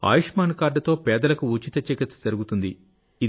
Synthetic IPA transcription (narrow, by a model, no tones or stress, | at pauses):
a̰ːjiʂmaːnkaːɾɖɐt̪o̞ːpɛːd̪ɐlɐkuut͡ʃit̪ɐt͡ʃikit̪sɐd͡ʒɐɾuɡut̪und̪i | i